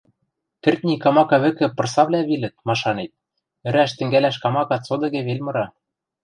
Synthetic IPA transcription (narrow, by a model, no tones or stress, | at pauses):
t̪ɘ̆rt̪ʲnʲikɑmɑkɑβɘ̆kɘ̆pɤ̆rsɑβlʲæβilɘ̆t̪̚mɑʃɑnet̪̚ | ɘ̆ɾæʃt̪ɘ̆ŋɡælæʃkɑmɑkɑt͡sod̪ɤ̆ɣĕβelʲmɤ̆ɾɑ